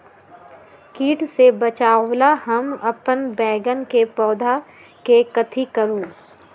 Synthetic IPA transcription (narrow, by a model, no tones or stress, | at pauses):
kiːʈsebɐt͡ʃaːlahɐmɐpənbɛːɡənkepɔːd̪ʱa | kekɐt̪ʰikɐɾuː